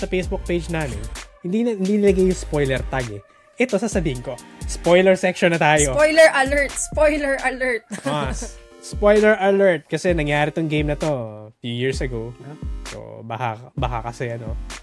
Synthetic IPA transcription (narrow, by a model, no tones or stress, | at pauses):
sɐpejsbuk̚pejd͡ʒnaːmɪnhɪnd̪inɐhɪnd̪inɪlɐɡajːʊŋspojlɛɾt̪ɐɡɛ | ʔɛt̪o̞sɐsɐbiːhɪŋko̞spo̞jlɛɹsɛkʃonɐt̪aːjojlɛɹʔɐlɛɹt̪̚spojlɛɹʔɐlɛɹt̪̚ɐs | spojlɛɹʔɐlɛɹt̪̚kɐsɛnɐŋjaːɾɪt̪oŋɡejmnɐt̪o̞fjujiɹsɐɡowso̰bɐhabɐhakɐsɛʔɐno̞